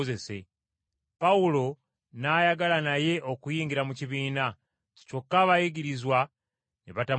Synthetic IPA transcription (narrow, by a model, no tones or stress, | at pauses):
ze̞se̞ | pawulo̞ | najaɡalanaje̞ʔo̞kujiːŋɡiɾamuciβiːna | co̞kːaβajiɡiɾizwa | niβata